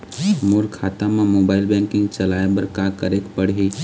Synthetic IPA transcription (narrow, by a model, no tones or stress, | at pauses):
moːɾkʰaːt̪ãmẽmoːbaːɪlbɛ̃ːŋkɪ̃ŋɡt͡ʃɐlaːebɐɾkakɐɾeːkpɐɽɦi